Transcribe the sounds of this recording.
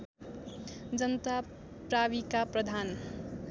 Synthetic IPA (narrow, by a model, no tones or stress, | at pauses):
d͡zʌnt̪a | pɾaβikaprʌd̪ʱan